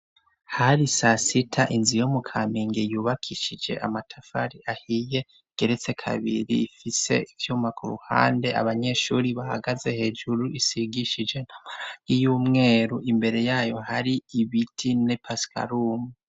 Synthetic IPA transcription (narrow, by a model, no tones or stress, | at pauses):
haɾisasitʰaʔinzijomukʰamiŋɡejuːβakʰiʃid͡ʒe̞̰ʔa̰matʰafa̰ɾiʔahije̞ | ɡ̥e̞ɾe̞t͡se̞kʰa̰βḭɾḭːfise̞̰ivjuːmakʰuɾṵha̰ːnde̞ʔa̰βaɲe̞ʃuɾiβaha̰ɡaze̞he̞d͡ʒuɾuʔisiɡiʃid͡ʒe̞naijuːmŋe̞ːɾuʔimbe̞ɾe̞jaːjo̞haɾiiβitʰinepaskʰa̰ɾumu